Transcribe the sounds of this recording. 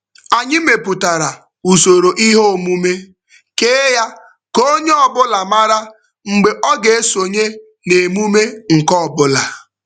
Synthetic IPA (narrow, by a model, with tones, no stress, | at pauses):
a˨ɲɪ˦me˨pʊ˨ta˨ɾa˨ | u˨so˨ɾo˨ʔi˦ɦo˦˨mu˦me˦ | keː˦ja˦ | ko˦ɲe˦ɔ˨bʊ˦la˨ma˦ɾa˦ | ŋ͡m̩˨ɡ͡be˨ʔɔ˦ɡe˨e˦so˨ɲe˦ | ne˨mu˦me˦ŋ̩˨kɔ˦˨bʊ˦la˨